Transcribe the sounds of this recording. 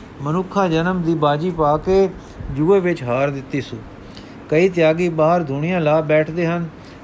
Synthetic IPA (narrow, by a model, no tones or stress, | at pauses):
mənʊkʰːãːd͡ʒənəmd̪iːbaːd͡ʒiːpaːkeː | d͡ʒuːeːʋɪt͡ʃɦaːɾd̪ɪt̪ːiːsũː | kəiːt̪̬ɪjaːɡiːbaːɦəɾd̪ʱʊɳɪjãːlaːbɛːʈʰd̪eːɦən